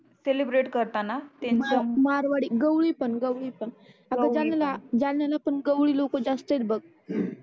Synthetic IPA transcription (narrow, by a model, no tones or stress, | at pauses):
selibɾeʈkəɾt̪anat̪ẽnmaamaɾʋaɽiːɡəwɭipəɳɡəwɭipəɳ | at̪ãd͡zalalad͡zalnalapəɳɡəwɭiːlokod͡zast̪əjt͡s̪bəɡ̚